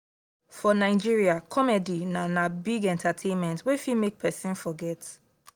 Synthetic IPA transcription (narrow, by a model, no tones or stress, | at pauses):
fɔnaɪd͡ʒiɹiakʰɔmɛdinanabiɡɛ̃ntʰatʰẽnmɛ̃ntwɛfimek̚pʰɛsĩnfɔɡɛt